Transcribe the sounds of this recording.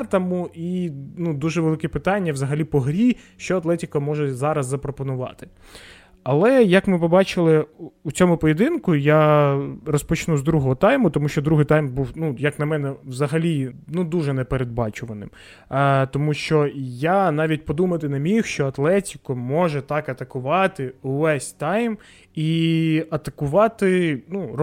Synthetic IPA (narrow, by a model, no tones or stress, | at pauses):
rt̪ɐmuinud̪uʒɛʋelˠɪkɛpɪt̪ɑnʲːɐwzɐɦɐlʲipɔɦɾʲi | ʃt͡ʃɔɐt̪lˠɛtʲikɐmɔʒɛzɑɾɐzːɐpɾɔpɔnʊʋɑ̰t̪ɪ̥ | ɐlˠɛjɐkmɪpɔbɑt͡ʃɪlˠɪut͡sʲɔmʊpɔjed̪ɪnkʊja | rɔspɔt͡ʃnuzd̪ɾuɦɔɦɔt̪ɑjmʊt̪ɔmuʃt͡ʃɔd̪ɾuɦɪjt̪ɑjmbuwnujɐknɐmɛnɛʋzɐɦɐlʲinud̪uʒɛnɛpeɾed̪̚bɑt͡ʃʊʋɐnɪ̰m | t̪ɔmuʃt͡ʃɔjanɑʋʲitʲpɔd̪umɐt̪ɪnemʲixʃt͡ʃɔɐt̪lˠɛtʲi̥kɔmɔʒɛt̪ɑkɐt̪ɐkʊʋɑt̪ɪʊʋɛsʲt̪ɑjm | iɐt̪ɐkʊʋɑt̪ɪnur